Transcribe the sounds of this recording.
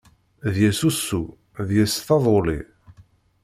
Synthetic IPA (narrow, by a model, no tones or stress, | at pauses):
ðjæsusːu | ðjæsθɑðˤolḭ